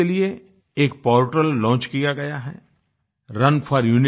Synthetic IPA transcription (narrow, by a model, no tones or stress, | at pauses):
elie | eːk̚pɔːɾʈəlːɔ̃ːt͡ʃkijaɡɐjaɦɛ̰ | ɾɐnfʰɔːɾjuːnɪ